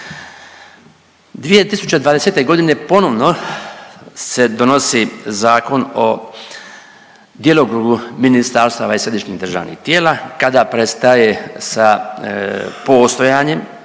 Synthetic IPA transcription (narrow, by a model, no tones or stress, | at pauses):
d̪ʋijet̪isut͡ɕed̪ʋaːd̪ese̞ːt̪eɡo̞d̪ine̞po̞no̞ʋno̞ | se̞d̪ono̞sizaːko̞no | d̪jeloɡuuminist̪aɾst̪aːʋaisɾe̞d̪iʃɲiɦd̪rʒa̰ːʋnḭht̪jeːlakad̪apɾest̪aje̞sa | po̞ːst̪o̞jaːɲem